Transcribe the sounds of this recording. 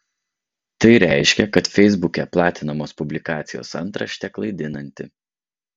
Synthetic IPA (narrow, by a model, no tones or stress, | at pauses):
t̪ɐɪɾʲæˑɪʃʲkʲɛkɐt̪fʲɛɪzbʊkʲɛplˠɑːt̪ʲɪnɐmoːspʊbʲlʲɪkɑːt̪sʲɪjo̰ːsɐnˑt̪ɾɐ̰ʃʲt̪ʲɛklˠɐɪd̪ʲɪnɐnʲt̪ʲɪ̰